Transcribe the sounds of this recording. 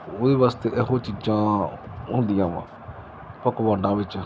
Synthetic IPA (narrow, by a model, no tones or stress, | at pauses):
oːd̪eːʋaːst̪eːʔəɦõːt͡ʃiːd͡ʒãːɦʊ̃nd̪ijãːʋã̰ː | pəkʋãːɳɖãːʋɪt͡ʃ